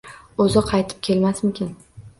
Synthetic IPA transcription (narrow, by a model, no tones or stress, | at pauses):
ɵzɪqʰɑjt̪ʰɪ̥p̚kʲʰe̞lmasmɪkʲɪn